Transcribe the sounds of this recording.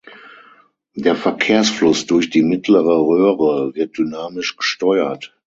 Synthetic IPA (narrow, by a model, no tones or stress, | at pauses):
d̥eːɐfɛɐkʰeːɐsflʊsd̥ʊɐçd̥iːmɪtʰləʁəʁøːʁəvɪɐt̚d̥ynaːmɪʃɡ̥əʃtɔʏɐt